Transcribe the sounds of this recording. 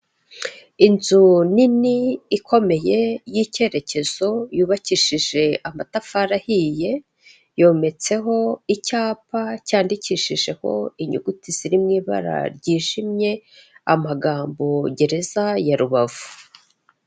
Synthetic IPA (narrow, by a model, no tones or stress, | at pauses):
inzuniniːkʰo̞me̞je̞jice̞ɾe̞ce̞z̥o̞juːβaciʃiʒe̞ʔamatafaɾahije̞ | jo̞ːme̞t͡se̞ɦo̞icaːpacaːndiciːʃiʒe̞ho̞̰iɲuɡutiz̥iɾimŋiːβa̰ɾa̰ɾɟiːʒimɲe̞amaɡaːmbo̞ɟe̞ɾe̞zajaɾuβavu